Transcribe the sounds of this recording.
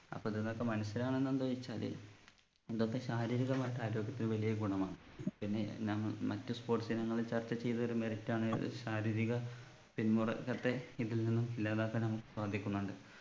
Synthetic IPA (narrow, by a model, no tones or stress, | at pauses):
ɐ̰pːoːiðenðokːemɐnɐsːilaːɳe̞nːend̪uʋɐjit͡ɕːaːlḛ | inðok̪ːeɕaːɾiːɾiɣɐmaːjiʈːɨaːɾo̞ːɡjɐt̪ːilɨʋɐlijɐɡuɳɐmaːɳɨpinːe̞̰ɲaːmːɐɭmɐtːɨspo̞ːrʈsinɐŋːɐɭilt͡ɕɐrt͡ɕːɐt͡ɕe̞jt̪ɐo̞ɾumeritːaːɳɨ̰ðɨ̰ɕaːɾiːɾiɣɐ | pinmurɐ̰kːɐt̪ːe̞iðilninːumilːaːðakːenɐmukːɨ̥swaːd̪ʱikʲːunːuɳɖɨ